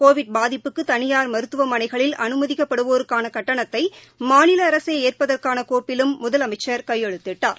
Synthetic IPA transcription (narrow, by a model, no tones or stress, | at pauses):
koːʋɪɖ̚baːðɪpːɯkːɯt̪ɐnɪjaːɾmɐɾɯt̪ːɯʋɐmɐnɐɪɣɐɭɪlɐ̰nɯmɐðɪkːɐpːɐɽɯʋoːɾɯkːaːnɐkɐʈːɐɳɐt̪ːɐɪ | maːnɪlɐːɾɐseːeːrpɐðɐrkaːnɐkoːpɪlɯmːʊðɐlɐmɐɪt͡ʃːɐɾkɐjːɛɻɯt̪ːɪʈːaːɾ